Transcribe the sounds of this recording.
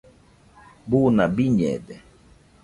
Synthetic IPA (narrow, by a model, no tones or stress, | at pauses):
bunabiɲɛ̰dɛ